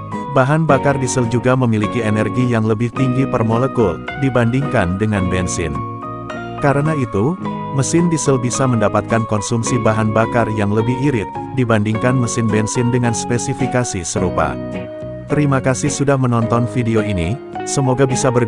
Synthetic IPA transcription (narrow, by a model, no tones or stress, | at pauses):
baɦanbakardisəld͡ʒuɡaməmilikienɛrɡijaŋləbɪht̪iŋɡipərmolekʊldibandiŋkandəŋanbɛnsɪ̰n | kaɾənait̪u | məsɪndisəlbisaməndapat̪̚kankɔnsumsibaɦanbakarjaŋləbɪhiɾɪt̪̚ | dibandiŋkanməsɪnbɛnsɪndəŋanspɛsifikasisəɾupa̰ | t̪əɾimakasɪhsudahmənɔnt̪ɔnfideoini | səmoɡabisabər